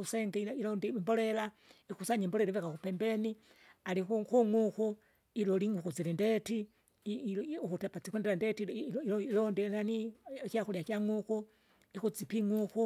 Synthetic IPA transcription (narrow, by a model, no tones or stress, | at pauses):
useŋɡeilondimbolelaixusaɲembolelaβekakupembeni | alixuxuŋuku | iloliŋuxut͡silendeti | uxutapat͡sikwendelandetiiolondinanikjaxuljakaŋuku | ixut͡sipiŋuxu